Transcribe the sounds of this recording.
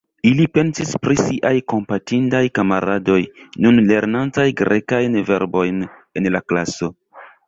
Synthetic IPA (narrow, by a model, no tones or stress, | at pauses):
ilipe̞nsispɾisiʔajko̞mpatindajkamaɾado̞jnunle̞ɾnantajɡɾekajnve̞ɾbo̞jne̞nlaklaso̞